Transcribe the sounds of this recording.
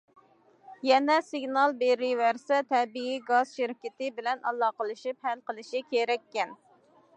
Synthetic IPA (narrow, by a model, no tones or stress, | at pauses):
jɛnɛsɪɡnɑlˠbeɾɪwæɾsɛt̪ʰɛbiiɡɑz̥ʃɪɾɪkʲɪt̪ɪbɪlɛnʔɑlˠːɑːqəlˠɨʃip̚hælqəlˠɨʃikʲʰeɾɛkʲːɛn